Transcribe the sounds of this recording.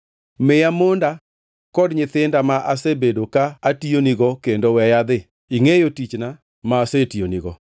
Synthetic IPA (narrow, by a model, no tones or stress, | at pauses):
mɪjamonda | kɔdɲɪt̪ɪndamaʔasebedokaːtioniɡɔkendowɛjad̪ɪ | iŋejotit͡ʃna | maːsetioniɡɔ̰